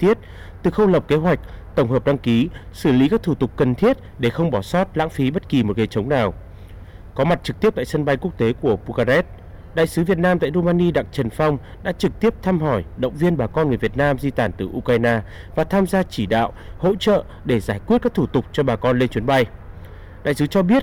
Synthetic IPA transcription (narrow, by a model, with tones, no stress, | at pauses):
t̪i˦˥ət̚ | t̪ɨ˨˩xə˧wlə˨˩p̚ke˨˦ɦwa˨˩jk̟̚t̪ə˧˩wŋ͡mɦəː˨˩p̚ɗa˧ŋki˨˦sɨ˧˩li˨˦kaː˦˥k̚t̪ʰu˧˩t̪ʊ˨˩k͡p̚k̚kə˨˩nt̪ʰi˦˥ət̚ɗe˧˩xə˧wŋ͡mɓɔ˧˩sɔ˦˥t̚la̰ː˧˥ŋfi˨˦ɓə˦˥t̚ki˨˩mo˨˩t̚ɣe˨˧˩t͡ɕə˨˦wŋ͡mnaː˨˩w | kɔ˨˦ma˨˩t̚t͡ɕɨ˨˩k̚t̪i˦˥p̚t̪aː˧˨sə˧nɓa˧jku˦˥ək̚t̪e˨˦ku˧˩əɓu˧ɣaː˧zɛ˦˥t̚ | ɗa̰˧˨jsɨ˨˦vi˨˩ət̚naː˧mt̪a̰ː˧˨jzo˧maː˧ni˧ɗa̰˧˨k̚t͡ɕə˨˩nfa˧wŋ͡m | ɗa̰ː˧˥t͡ɕɨ˨˩k̚t̪i˦˥əp̚t̪ʰaː˧mɦɔ˧˩jɗə̰˧˨wŋ͡mvi˧ənɓaː˨˩kɔ˧nŋɨ˨˩jvi˨˩ət̚naː˧mzi˧t̪aː˧˩nt̪ɨ˧˩ʔu˧kaː˧jnaː˧vaː˨˩t̪ʰaː˧mzaː˧t͡ɕi˧˩ɗa̰ː˧˨who̰˧˥t͡ɕə̰ː˧˨ | ɗe˧˩zaː˧˩jkwi˦˥t̚kaː˦˥t̪ʰu˧˩t̪ʊ˨˩k͡p̚t͡ɕɔ˧ɓaː˨˩kɔ˧nle˧nt͡ɕwi˨˦nɓa˧j | ɗa̰ː˧˨jsɨ˨˦t͡ɕɔ˧ɓi˦˥ət̚